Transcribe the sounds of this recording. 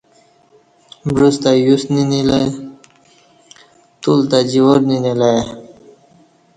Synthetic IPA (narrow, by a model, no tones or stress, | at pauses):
bɾust̪ajusninila | t̪ult̪ad͡ʑiwoɾninilae